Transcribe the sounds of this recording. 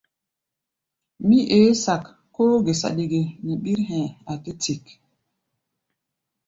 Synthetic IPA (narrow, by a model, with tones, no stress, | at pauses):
mi˦ʔeː˨˦sa˨kː | oː˦ɡe˨sa̰˨ɗi˨ɡe˨ni˨ɓi˦ɾɦɛ̃˨a˨te˦ti˨k